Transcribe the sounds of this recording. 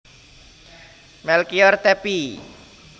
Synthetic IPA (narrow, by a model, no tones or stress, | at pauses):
mɛlkiɔrt̪ɛpi